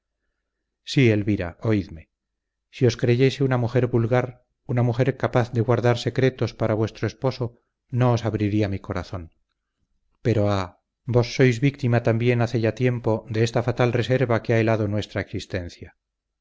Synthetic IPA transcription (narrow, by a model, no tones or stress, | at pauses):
sie̞lβiɾa̰ʔo̞iðme̞ | sio̞skɾe̞ʝe̞seunamuxe̞ɾβulɣaɾ | unamuxe̞ɾkapaθðe̞ɣwaɾðaɾse̞kɾe̞t̪o̞spaɾaβwe̞st̪ɾo̞e̞spo̞so̞ | no̞ːsaβɾiɾiamiko̞ɾaθo̞n | pe̞ɾo̞a | bo̞sːo̞jzβik̚t̪imat̪ambje̞naθeʝat̪je̞mpo̞d̪e̞est̪afat̪alre̞se̞ɾβakeaelaðo̞nwe̞st̪ɾaeksist̪e̞nθja